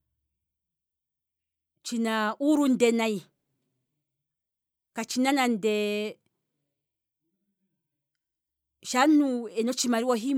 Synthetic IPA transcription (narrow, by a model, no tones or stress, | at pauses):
t͡ʃinauɾundɛnai | kat͡ʃinanandɛ | ʃanuɛnɔt͡ʃimaɾiwoɦi